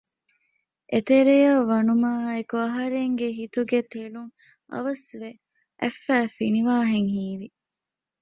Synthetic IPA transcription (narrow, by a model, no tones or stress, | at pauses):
ʔet̪eɾejɐʋɐnumaːekuɐɦɐɾeŋɡeɦit̪uɡet̪eluŋ | ɐ̰ʋɐsʋe | ʔæfːæːfiniʋaːɦeŋɦiːʋi